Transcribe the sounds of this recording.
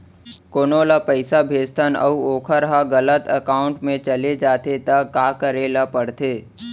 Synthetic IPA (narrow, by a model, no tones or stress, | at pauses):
koːnoːlapəɪsabʱeːd͡ʒt̪ʰənɐ̰uoːkʰəɾɦaɡələt̪əkaːʊ̃ɳʈmẽt͡ʃɐled͡ʒaːt̪et̪ɐkaːkəɾeːlapəɽt̪eː